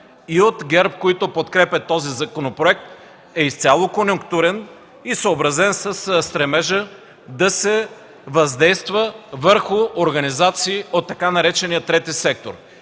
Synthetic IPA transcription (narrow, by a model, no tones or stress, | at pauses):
iot̪ɡʲɛɾp̚koit̪opot̪kɾɛpʲɛt̪ɔzizɐkonopɾoɛk̚t̪ | ɛist̪sʲalˠokonjʊŋkt̪uɾɛn | isoːbɾɐzɛnsəsst̪ɾɛmɛʒə | d̪ɐsɛ | vɐzd̪ɛjst̪vəvəɾxʊoɾɡɐnizat̪siːot̪ːɐkanɐɾɛt͡ʃɛnijət̪ɾɛt̪isɛk̚t̪o̰ɾ